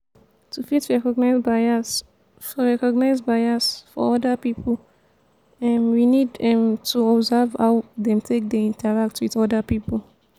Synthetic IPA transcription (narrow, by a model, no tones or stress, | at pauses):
tʰufitɹɛkɔɡ̚naɪzbaɪa | fɔɹɛkɔɡnaɪzbaɪasfɔ̰ɔdəpipʰə | ɛ̃nwinidɛ̃mtʰuɔbzɛvhawdɛ̃mtʰek̚deĩntʰəɹak̚twiðɔdəpipəl̩